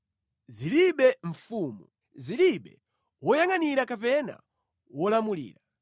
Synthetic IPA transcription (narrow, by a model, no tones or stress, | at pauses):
ziliɓɛɱ̩fuːmu | ziliɓɛ | wɔjaŋaniɾakapɛna̰ | wɔlamulḭːɾa